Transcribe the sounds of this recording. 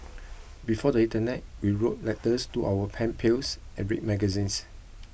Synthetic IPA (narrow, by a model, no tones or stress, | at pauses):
bifɔdəĩntənɛt̚wiɹot̚lɛtəstuʔawəpʰɛ̃npʰelsʔɛ̰̃nɹḭk̚mɛɡəzĩns